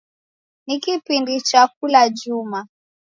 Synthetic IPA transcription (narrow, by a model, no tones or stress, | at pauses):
nikipindit͡ʃakulaʄuma